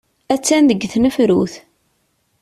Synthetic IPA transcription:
æt͡sːænðəɡːθnəfɾuθ

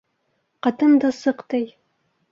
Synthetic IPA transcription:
qɑt̪ɤnd̪ɑsɤqt̪ɤj

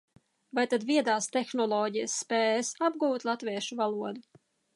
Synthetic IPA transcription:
vajt̪ad̪viɛd̪aːst̪exnɔlˠɔːɟijəsːpɛːjsab̚ɡuːt̪lˠat̪viɛʃuvalˠuɔd̪u

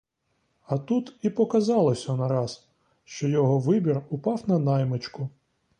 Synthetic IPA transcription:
ɐt̪ut̪ipɔkɐzɑlˠɔsʲɐnɐɾɑz | ʃt͡ʃɔjɔɦɔʋɪbʲirʊpɑwnɐnɑjmet͡ʃkʊ

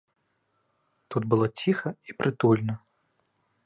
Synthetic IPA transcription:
t̪ud̪bɨlˠɔt͡sʲixɐipɾʔɨt̪ulʲnɐ

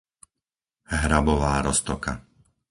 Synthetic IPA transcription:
ɦɾabɔʋaːɾɔst̪ɔka̰

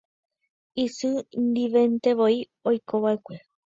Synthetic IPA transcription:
isɨnd̪iʋe̞nt̪e̞ʋoi | ojkʰoʋaekʷe̞

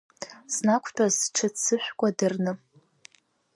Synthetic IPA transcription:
snakʷʰtʰʷʼazʈ͡ʂʰɨt͡sʰːɨħʷᶣkʷʼadɨrnɨ

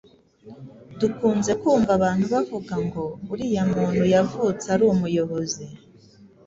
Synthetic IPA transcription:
dukuːnze̞kuːɱvaβaːn̥huβavuɡaŋɡo̞uɾijamuːn̥hujavut͡saɾuːmujo̞βozi

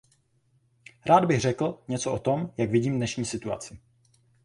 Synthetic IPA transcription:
ɾʔaːd̪bɪɣr̝ɛkl̩ɲɛt͡soʔot̪o̞mjaɡvɪɟiːmdnɛʃɲiːsɪt̪ua̰t͡sɪ

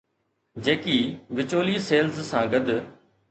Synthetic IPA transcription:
d͡ʑeːkiːʋɪt͡ɕoːliːseːlzsãːɡəd̪

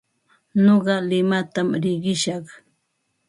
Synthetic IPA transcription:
noɢɑlɪmat̪amɾɪɢɪʃɑχ

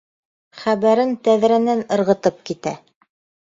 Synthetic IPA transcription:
χæβæɾɘnt̪æðɾænænɤ̆ɾʁɤ̆t̪ɤp̚kit̪æ

